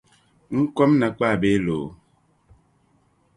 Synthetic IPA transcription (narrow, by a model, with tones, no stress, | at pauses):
ŋ̩˦kɔ˦mna˨k͡paː˦˨be˦lo˨